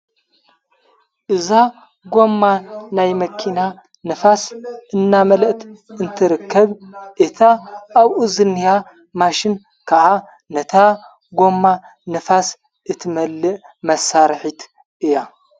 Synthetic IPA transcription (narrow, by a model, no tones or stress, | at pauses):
ʔɨza | ɡo̞mːanajmɐkʰina | nɨfasʔɨnːamɐlɐʔt̪ʰɨnt̪ʰɨɾɨkʰːɐβʔɨt̪ʰaʔːβuzɨnija | maʃɪn | kʰaʔa | nɐt̪ʰa | ɡo̞mːa | nɨfas | ʔɨt̪ʰɨmɐlːɨʔ | mɐsːaɾħit̪ʰ | ʔɨja